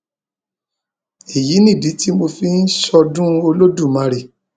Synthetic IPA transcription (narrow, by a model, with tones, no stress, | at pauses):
e˨ji˨˦nĩ˦˨di˨˦ti˦mo˧fi˦n̩˦sɔ˧dũ˦o˧lo˦dũ˦˨mã˨˧ɾe˨